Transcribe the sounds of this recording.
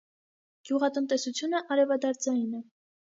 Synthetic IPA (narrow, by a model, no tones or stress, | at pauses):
ɡ̥juʁɑt̪ənt̪ɛsut͡sʰjunəʔɑɾɛvɑd̪ɑɾd͡zɑjnɛ